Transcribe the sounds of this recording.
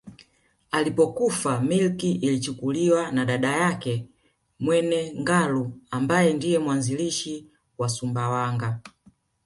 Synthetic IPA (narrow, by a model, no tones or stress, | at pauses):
alipɔkufamilkiʔilit͡ʃukuliwanaɗaɗajakɛ | mwɛnɛŋɡaluambajɛndijɛmwanziliʃi | wasumbawaŋɡa